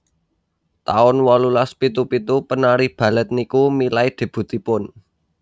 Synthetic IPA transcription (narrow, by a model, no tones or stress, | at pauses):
t̪a̰ʊnwɔlulaspit̪upit̪upənaɾib̥ä̤lət̪̚nikumilaid̪̥e̤b̥ṳt̪ipʊn